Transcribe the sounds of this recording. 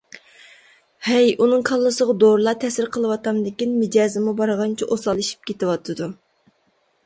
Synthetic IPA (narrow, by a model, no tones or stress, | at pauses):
hɛjunɨŋkʰɑlˠːɨsəʁɑd̪oɾlˠɑt̪ʰɛsɪɾqʰəlˠɨwɑt̪ɑmd̪ɪkʲinmɪd͡ʒɑːzɪmubɑɾʁɑnt͡ʃʰiʔosɑlˠiʃi̥p̚kʲʰet̪ɪwɑt̪ʰɨd̪u